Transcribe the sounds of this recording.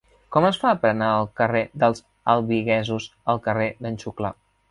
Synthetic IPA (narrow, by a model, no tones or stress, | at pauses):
kɔməsfaəpɾənaəlˠkəreðəlˠz | əlˠβiɣɛzuzəlˠkəreðənʲt͡ʃukla̰